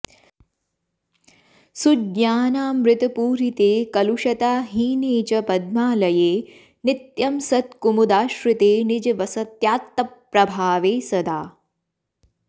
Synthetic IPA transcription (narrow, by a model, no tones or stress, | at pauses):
sudɲaːnaːmɾɪt̪ɐpuːɾit̪eːkɐluʃɐt̪aːɦiːneːt͡ʃɐpɐd̪maːlɐjeː | nit̪jɐmsɐt̪kumud̪aːʃɾɪt̪eːnid͡ʒɐʋɐsɐt̪jaːt̪ːɐpːɾɐbʱaːʋeːsɐd̪aː